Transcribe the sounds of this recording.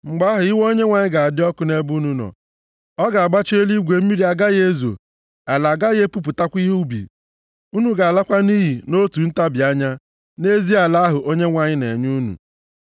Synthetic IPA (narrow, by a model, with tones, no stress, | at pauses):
ŋ͡m̩˨ɡ͡ba˦ɦʊ˨ɪ˦wo˦ɲe˦ŋʷa˨ɲɪ˦ɡa˨a˨dɪ˦ɔ˦kʊ˨˦ne˦bu˦nu˨nɔ̰˨ | ɔ˦ɡa˨a˨ɡ͡ba˦t͡ʃe˦li˦ɡʷe˨m̩˦mi˦ɾi˦a˨ɡa˦ɣe˦zo̰˨ | a˨la˨ɡa˦je˦pu˦p̬ʊ˨ta˦kʷi˦ɦu˦bḭ˨ | u˦nu˨ɡa˨la˦kʷa˦ni˦ɦi˨no˦tu˨n̩˦ta˦bɪ˨a˦ɲa˦ | ne˦zi˦a˨la˦a˦ɦʊ˨ʔo˦ɲe˦ŋʷa˨ɲɪ˦ne˨ɲu˦nṵ˨